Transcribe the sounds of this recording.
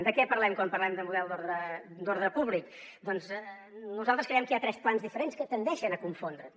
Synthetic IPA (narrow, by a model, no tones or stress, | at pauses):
d̪əkɛpəɾlɛmkwampəɾlɛmd̪əmuðɛlˠd̪oɾðɾəd̪oɾðɾəpuβlik | d̪ɔnz | nuzalˠt̪ɾəskɾejɛmkəijat̪ɾɛsplanzðifəɾenskət̪ənd̪ɛʃənəkuɱfond̪ɾə